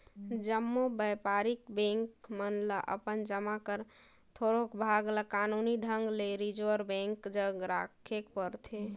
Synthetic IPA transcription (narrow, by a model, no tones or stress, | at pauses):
d͡ʒəmːobəpaɾikbɛ̃ŋkmənlaʔə̰pənd͡ʒəmakəɾ | t̪ʰoɾokbʱaɡlakanuniɖʱəŋɡleɾid͡ʒəɾbɛ̃ŋkd͡ʒəɡɾakʰekpəɾt̪ʰe